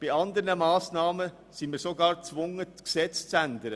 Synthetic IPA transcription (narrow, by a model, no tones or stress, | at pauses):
b̥aɪɑnd̪əɾnəmaːsnɑːmə | sinmiːsoɡɑːɾt͡svʊŋəɡ̥sɛt͡st͡sændəɾə